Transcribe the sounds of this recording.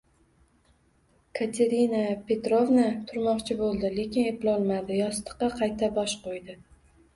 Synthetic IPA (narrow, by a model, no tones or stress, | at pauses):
kʰat̪ʰe̞ɾinapʰe̞t̪ɾovnat̪ʰʊɾmɒqt͡ʃʰɪbolˠd̪ɪle̞kʲɪne̞plɒlˠmad̪ɪjɒst̪ɨ̥qːɑqʰɑjt̪ʰabɒʃqʰojd̪ɪ